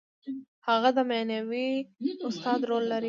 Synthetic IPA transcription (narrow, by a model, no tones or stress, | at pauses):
haɣad̪əmanawiʊst̪ɑd̪ɾolːaɾi